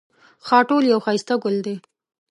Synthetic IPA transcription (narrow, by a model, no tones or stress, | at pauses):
xɑʈoljawxɑjst̪aɡʊld̪e